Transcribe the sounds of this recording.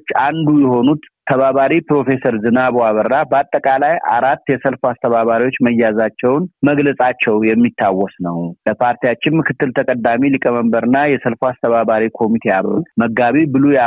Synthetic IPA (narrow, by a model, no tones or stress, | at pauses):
t͡ʃːand̪ujɛho̞nut̪ʰːəβaβaɾipɾo̞fe̞səɾzɨnaβoaβəɾːabəat̪ʼːəkʼalaja̰ɾat̪ːjɛsəlfast̪ʰəβaβaɾiwo̞t͡ʃːməjːazat͡ʃːɛwnməɡləsʼat͡ʃːɛwjɛmːit̪ʰːawːɔsnəwləpʰaɾt̪ijat͡ʃːɪnmɨkɨt̪ːɨlt̪ʰəkʼəd̪ːamilikʼəməmbəɾɨnːajɛsəlfast̪ʰəβaβaɾikʰo̞mit̪ʰejaβlo̰məɡaβibɨluja